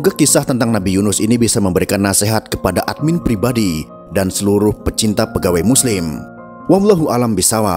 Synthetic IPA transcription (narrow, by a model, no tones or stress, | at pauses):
uɡakisaht̪ənt̪aŋnabijunʊsinibisaməmbəɾikanːaseɦat̪̚kə̥padaʔat̪̚mɪnpɾibadi | dansəluɾʊhpət͡ʃint̪apəɡawajmuslɪm | wamlaɦuʔalambisawa̰